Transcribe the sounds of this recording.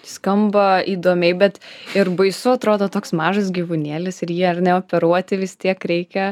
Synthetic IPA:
skɐmbɐiːd̪oːmʲɛɪbʲɛt̪ɪɾbɐɪsʊɐt̪ɾoːd̪oːt̪oːksmɑːʒɐs̬ɡʲiːʋunʲeːlʲɪsɪɾjiɛɐrnʲɛoːpʲɛɾuɔt̪ʲɪʋʲɪst̪ʲiɛkɾʲɛɪkʲɛ

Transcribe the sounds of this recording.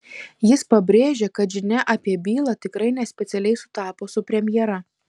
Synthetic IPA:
jɪspɐbʲɾʲeːʒʲeːkɐt̪ʒʲɪnʲɛʔɐpʲiɛbʲiːlˠɑːt̪ʲɪkɾɐɪnʲɛsʲpʲɛt̪sʲɛlʲɛɪsʊt̪ɑːpoːsʊpʲɾʲɛmʲjɛɾɐ

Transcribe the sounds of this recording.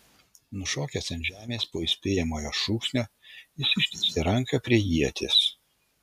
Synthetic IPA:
nʊʃoːkʲɛsɐnʲʒʲæːmʲeːspoːɪsʲpʲeːjɛmoːjoːʃuːksʲnʲoːɪsʲɪʃʲt̪ʲɛsʲt̪ʲɪɾɐŋkɐpʲɾʲiɛjiɛt̪ʲʰeːs

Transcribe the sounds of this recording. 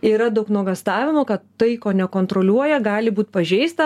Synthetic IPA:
iːɾɐd̪ɐʊknuɔɡɐst̪ɑːʋʲɪmʊkɐt̪ːɐɪkoːnʲɛkoːnt̪ɾoːlʲuɔjɛɡɑːlʲɪbuːt̪pɐʒʲɛɪst̪ɐ

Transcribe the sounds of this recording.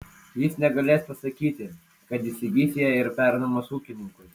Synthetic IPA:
jɪsnʲɛɡɐlʲeːspɐsɐkʲiːt̪ʲɪ | kɐt̪ʲɪsʲɪɡʲiːsʲɪjɛɪɾpʲæɾnɐmoːsuːkʲɪnʲɪŋkʊɪ

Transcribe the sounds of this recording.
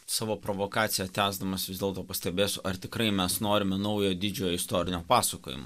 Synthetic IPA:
sɑːʋoːpɾoʋoːkɑːt̪sʲɪjɛt̪ʲæːzd̪ɐmɐsʋʲɪzd̪ʲeːlˠt̪oːpɐsʲt̪ʲɛbʲeːsʲʊʔɐɾt̪ʲɪkɾɐɪmʲɛsnoːɾʲɪmʲɛnɐʊjoːd̪ʲɪd͡ʒʲoːjoːɪst̪oːɾʲɪnʲoːpɑːsɐkoːjɪ̰mo̰

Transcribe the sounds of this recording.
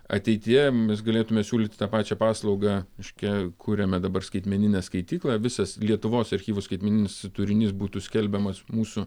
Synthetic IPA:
ɐ̰t̪ʲɛɪt̪ʲɪjɛmʲɛs̬ɡɐlʲeːt̪ʊmʲɛsʲuːlʲɪt̪ʲt̪ɑːpɑːt͡ʃʲɛpɑːslˠɐʊɡɑɪʃʲkʲɛkʰuːɾʲɛmʲɛd̪ɐbɐrskɐɪt̪ʲmʲɛnʲɪnʲɛskɐɪt̪ʲiːklˠɑːʋʲɪsɐslʲiɛt̪ʊʋoːsɐɾʲxʲiːʋʊskɐɪt̪mʲɛnʲɪnʲɪsɪt̪ʊɾʲɪnʲiːs̬buːt̪uːsʲkʲɛlʲbʲɛmɐsmuːsʊ

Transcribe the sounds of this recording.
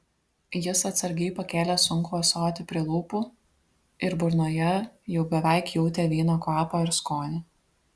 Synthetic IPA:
jɪsɐt̪sɐɾʲɡʲɛɪpɐkʲæːlʲɛsʊŋkʊɐsoːt̪ʲɪpʲɾʲiɛlˠuːpuː | ɪɾbʊɾnoːjɛjɛʊbʲɛʋɛɪkjuʊt̪ʲeːʋʲiːnoːkɑːpoːɪɾskoːnʲɪ

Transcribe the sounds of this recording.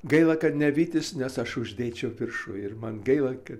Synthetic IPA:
ɡɐɪlˠɐkɐt̪nʲɛʋʲiːt̪ʲɪsnʲɛsɐʃʊʒʲd̪ʲeːt͡ʃʲɛʊpʲɪrʃʊɪrmɐnɡɐɪlˠɐkɐt̪

